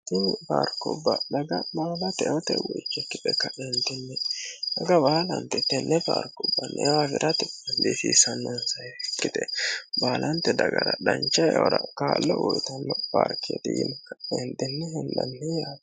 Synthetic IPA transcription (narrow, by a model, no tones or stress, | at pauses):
t̪ɪmɪpaːɾkːɔbːɐd̪ɐɡɐbaːlɐt̪ɛʔɔt̪ɛwɔt͡ʃːɛkːɪt̪ɛkːɐʔɛnd̪ɪnːɛdɐɡɐbaːlɐnt̪ɛt̪ːɛnːɛpaːɾkʊbːɐnːɛ̰wafɪɾʔɐt̪ɪbɐnd̪isisɐnːɔnsɐjɛkːɪd̪ɛbaːlʔɐnt̪ːɛd̪ɐɡɐɾɐdɐnt͡ʃːɐjɔɾɐkaːlːɔwɔjt̪ɐnːɔpa̰ɾkːɪɛt̪ɪjɪ̰nkːɐɛnd̪ɪnːɛɦɛnd̪ɐnːɛjaː